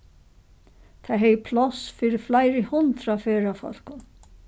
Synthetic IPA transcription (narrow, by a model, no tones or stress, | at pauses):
t̪ʰaɦɛjpʰlɔsfiːɾɪflajɾɪhʊnt̪ɾafeːɾafɔ̰l̥kʊn